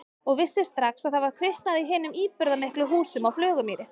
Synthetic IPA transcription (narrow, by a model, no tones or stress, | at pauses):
ɔɣvɪsːɪst̪ɾaxsaðθavaɾ̥kʰvɪht̪naðɪiɦɪːnʏmiːpʏɾðamɪhklʏɦuːsʏmawflœːɣʏmiːɾɪ